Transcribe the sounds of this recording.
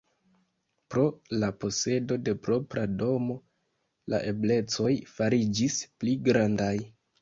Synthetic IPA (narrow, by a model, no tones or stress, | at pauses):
pɾo̞lapo̞se̞do̞de̞pɾo̞pɾado̞mo̞ | la̰ʔe̞ble̞t͡so̞jfaɾid͡ʒispliɡɾandaj